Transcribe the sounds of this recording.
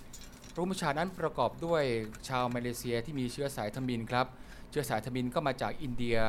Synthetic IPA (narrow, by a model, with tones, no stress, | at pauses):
ɾu˦˥m˥˩t͡ɕʰaː˧na˦˥npɾa˧kɔː˨˩p̚du˥˩əjt͡ɕʰaː˧wmaː˧leː˧si˧ɐt̪ʰiː˥˩miː˧t͡ɕʰɯ˦˥ɐsaː˩˦jt̪ʰa˧mi˧nkʰɾa˦˥p̚ | t͡ɕʰɯ˦˥ɐ˩saː˩˦jt̪ʰa˧mi˧nkɔː˥˩maː˧t͡ɕaː˨˩k̚ʔi˧ndi˧ɐ